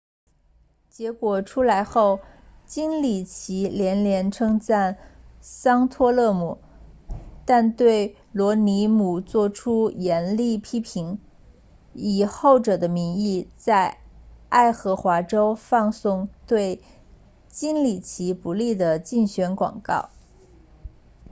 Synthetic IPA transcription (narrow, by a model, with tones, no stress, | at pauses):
t͡ɕjɛ˧˥kwɔ˨˩ʈ͡ʂʰu˥la˧˥ɪxo˥˩ʊt͡ɕi˥nli˨˩t͡ɕʰi˧˥ljɛ˧˥nljɛ˧˥nʈ͡ʂʰɤ˥ŋt͡sa˥˩nsɑ˥ŋt̪ʰwɔ˥lɤ˥˧mu˨˩ | t̪a˥˧nt̪we˥˩ɪ | lwɔ˧˥ni˧˥mu˨˩t͡swɔ˥˩ʈ͡ʂʰu˥jɛ˧˥nli˥˩pʰi˥pʰi˧˥ŋ | i˨˩xo˥˩ʊʈ͡ʂɤ˨˩d̪ə˦mi˧˥ŋi˥˧t͡sa˥˧ɪa˥˩ɪxɤ˧˥xwa˧˥ʈ͡ʂo˥ʊfɑ˥˧ŋsʊ˥˧ŋt̪we˥˩ɪ | t͡ɕi˥nli˨˩t͡ɕʰi˧˥pu˧˥li˥˩d̪ə˩t͡ɕi˥˩ŋɕɥɛ˧˥nkwɑ̰˨˩ŋkɑ̰˥˩ʊ